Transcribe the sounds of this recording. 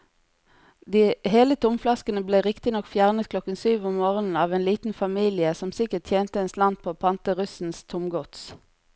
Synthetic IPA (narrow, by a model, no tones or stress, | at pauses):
d̪iːheːlət̪ʰʊmflɑskənəbleːʁɪkt̪ɪnɔkfjæʁnət̪̚kʰlɔkənsyːʋɔmmoːʁənn̩ɑːʋeːnliːt̪n̩fɑmiːlɪəsɔmsɪkəʁtʈ̪ʰjeːnt̪əɛnslɑnt̪̚pʰoːoːpʰɑnt̪əʁʉsn̩st̪ʰʊmɡɔt̪s